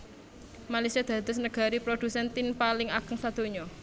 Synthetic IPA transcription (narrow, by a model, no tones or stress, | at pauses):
malasiad̪̥ä̤d̪̥ʊs̬nəɡ̥a̤ɾipɾod̪̥usɛnt̪ɪnpalɪŋaɡ̥əŋsad̪̥o̤ɲɔ